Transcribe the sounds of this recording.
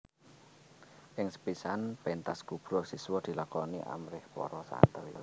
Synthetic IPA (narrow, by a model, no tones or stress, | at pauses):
ʔɪŋsə̥pisanpent̪asɡ̥ub̥ɾɔsiswɔd̪̥i̤lakɔniʔa̰mɾɪhpɔ̰ɾɔsa̰nt̪əɾ̰